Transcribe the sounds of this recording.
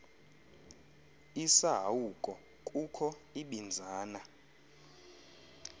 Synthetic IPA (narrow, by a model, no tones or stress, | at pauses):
isaɦaukʼɔ | kʼukʰɔiɓind͡zʱaːna